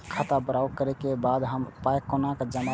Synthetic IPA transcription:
kʰat̪abəɾawkəɾɛkebad̪ɦəmpajkonakd͡ʒəma

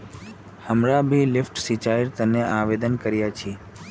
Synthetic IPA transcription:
həmɾabʱilɪfʈsit͡ʃaiɾt̪əneʔaʋed̪ənkəɾjat͡ʃʰe

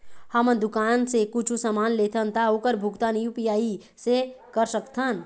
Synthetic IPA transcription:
həmənd̪ukansekut͡ʃʰusəmanlet̪ʰənt̪aokəɾbʱukt̪anjupijai | sekəɾsəkt̪ʰən

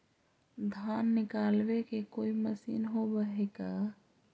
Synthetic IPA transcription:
d̪ʱaːnːɪkaːlbekekoːiməsḭnɦobəɦekaː

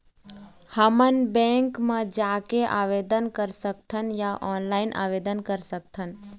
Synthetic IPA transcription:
həmənbɛ̃ːŋkmãd͡ʒaːkeʔa̰ːʋeːd̪ənkəɾsək̚t̪ʰənjaʔɔːnlaːɪnʔa̰ːʋeːd̪ənkəɾsək̚t̪ʰən

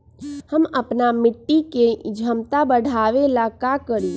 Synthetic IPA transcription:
həməpnamɪʈːiked͡ʒʱəmt̪abəɽʱaʋelakakəɾi

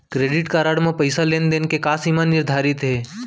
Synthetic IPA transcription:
kɾeːɖɪʈkaɾaɽmãpəɪsalend̪enkekaːsimanːɪɾd̪ʱaːɾɪt̪ɦeː

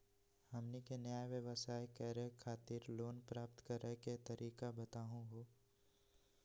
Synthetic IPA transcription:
hɐmnikenjaːjʋjəʋəsaːjkɛːɾəkʰːaːt̪iːɾloːnpɾaːpt̪kɐɾəket̪ɐɾʔiːkabɐt̪aːɦũɦoː

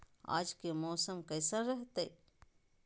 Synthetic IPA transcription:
a̰ːd͡ʒkemɔːsəmkɐːsaɾəɦt̪e

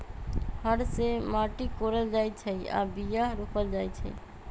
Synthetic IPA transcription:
həɽsemaʈikoɾəld͡ʒajt͡ʃʰɛja̰bijaɾokəld͡ʒajt͡ʃʰɛ̰

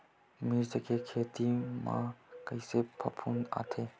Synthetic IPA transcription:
miɾzɐkʰekʰet̪ima̰kəjsepʰɐpʰuna̰t̪ʰe

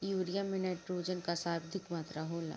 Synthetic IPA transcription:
juːɾijamenɛːʈɾoːd͡ʒənkasaːbd̪ʱɪkmaːt̪ɾaɦoːla̰ː

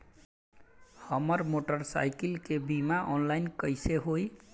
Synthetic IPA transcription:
həməɾmoʈəɾsa̰jkilkebimaʔɔnlainkəjseɦoj

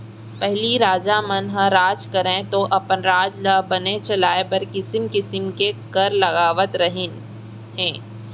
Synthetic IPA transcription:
pɛɦliɾaːd͡ʒaːmənɦɐ̃ɾaːd͡ʒkɐɾẽt̪oʔɐpənɾaːd͡ʒlɐbɐnet͡ʃɐlaːebɐɾkɪsəmkɪsəmkekɐɾlɐɣaːʋət̪ɾɐɦɪn | ɦɛ̃ː

